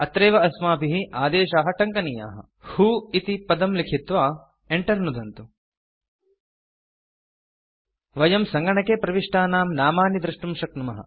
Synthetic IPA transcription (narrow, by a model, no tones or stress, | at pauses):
ɐt̪ɾeːʋɐɐsmaːpiɦiaːd̪eːʃaːɦɐʈɐŋkɐnija̰ːɦɐ̰ | huːit̪ipɐd̪ɐmlikʰit̪ʋaː | eɳʈɐɾnud̪ʱɐnt̪u | ʋɐjɐmsɐŋɡɐɳɐkeːpɾɐʋiʂʈaːnaːmnaːmaːnid̪ɾɐʂʈumʃɐknumɐɦɐ̰